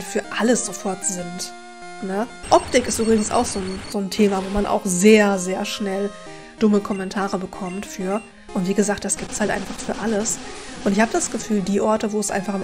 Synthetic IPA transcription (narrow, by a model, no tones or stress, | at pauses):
fyːɐʔaləsz̥ofɔɐtz̥ɪnt | nəʔɔp̚tɪkɪstʔyːbʁɪɡŋ̩sa̰ʊxz̥oːnz̥oːntʰeːmavoːmanʔa̰ʊxzeːɐzeːɐʃnɛl | d̥ʊməkʰɔmɛntʰaːʁəbəkʰɔmtfyːɐ | ʔʊntv̥iːɡəzaːk̚td̥asɡ̥iːp̚tshaltʔa̰ɪnfaχfyːɐʔaləsʔʊntɪçhaːbədasɡ̥əfyːldiːʔɔɐtəvoːɛsʔaɪnfaχɪm